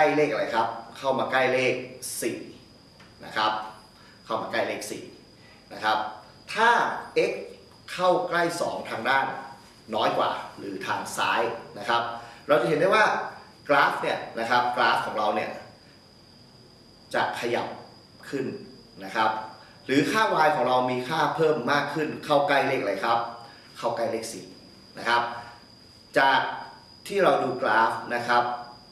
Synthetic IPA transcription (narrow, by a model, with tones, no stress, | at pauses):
ka˥˩jleː˥˩k̚ʔa˧ɾa˧jkʰa˦˥p̚kʰa˥˩wmaː˧kla˥˩jleː˥˩k̚sḭː˨˩ | na̰˦˥kʰa˦˥p̚ | kʰa˥˩wmaː˧kla˥˩jleː˥˩k̚sḭː˨˩ | na˦˥kʰɾa˦˥p̚ | t̪ʰaː˥˩ʔe˦˥kʰː | a˥˩wkla˥˩jsɔ̰ː˩˦ŋt̪ʰaː˧ŋdaː˥˩n | nɔː˦˥jkwa̰ː˨˩ɾɯː˩˦t̪ʰaː˧ŋsa̰ː˦˥jna˦˥kʰɾa˦˥p̚ɾa˧wt͡ɕa˨ɦe˩˦da˥˩jwaː˥˩ | klaː˦˥fni˥˩ɐna˦˥kʰa˦˥p̚klaː˦˥kʰɔː˩˦ŋɾa˧wni˥˩ɐ | t͡ɕa̰˨˩kʰa˧ja̰˨˩p̚ | kʰɯ˥˩n | na˦˥kʰa˦˥p̚ | ɾɯː˩˦kʰaː˥˩waː˧jkʰɔː˩˦ŋɾa˧wmiː˧kʰaː˥˩pʰɤː˥˩mːaː˥˩kʰːɯ˥˩nkʰa˥˩wkla˥˩jleː˦˥˩k̚la˧˩jkʰa˦˥p̚ | kʰa˥˩wka˥˩jleː˦˥˩k̚si˨˩˦t̚ | na˦˥kʰa˦˥p̚ | t͡ɕa˨˩k̚ | t̪ʰiː˥˩ɾa˧wduː˧klaː˦˥fna˦˥kʰa˦˥p̚